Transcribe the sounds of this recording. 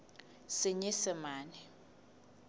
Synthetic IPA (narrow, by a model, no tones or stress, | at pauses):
sɪɲisɪmaːnɛ